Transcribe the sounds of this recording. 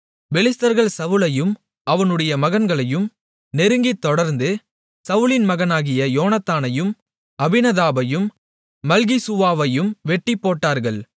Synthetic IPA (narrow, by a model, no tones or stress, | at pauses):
ʋɛlɪst̪ɐɾɣɐɭsɐʋɯlɐjɯm | ʔɐʋɐnɯɽɐjɐmɐɣɐnɡɐɭɐjɯm | nɛɾɯŋɡit̪ːɔɽɐɾnd̪ɯ | sɐʋɯɭɪnmɐɣɐnaːɣɪjɐjoːnɐt̪ːaːnɐjɯm | ɐbɪnɐðaːbɐjɯmː | ɐlɣisʊʋaːʋɐjɯmʋɛʈːipːoːʈːaːɾɣɐɭ